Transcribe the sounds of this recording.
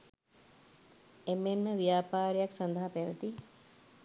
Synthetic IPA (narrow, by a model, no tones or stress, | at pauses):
emːemːəʋjaːpaːɾjaksɐnd̪əɦapeːʋət̪i